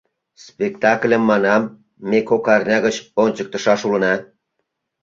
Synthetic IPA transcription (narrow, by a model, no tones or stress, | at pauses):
spʲekt̪ɑklʲəmːɑnɑmː | ekokɑrnʲɑɣət͡ɕonʲt͡ɕək̚t̪ə̆ʃɑʃulə̆nɑ